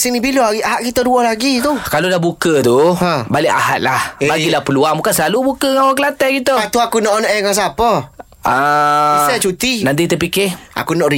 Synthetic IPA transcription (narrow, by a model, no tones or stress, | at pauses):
sinibiloaɣiʔaɦaʔkit̪aduɔlaɡit̪ukalodahbukət̪uhãbalɪʔa̰ɦat̪̚lahbaɡilapəluamukansəlalubukəŋawakəlat̪ɛhɡit̪uat̪uakunɔʔonɔʔɛkas̬apə | aisat͡ʃut̪inant̪it̪əpikɪha̰kunɔʔɾi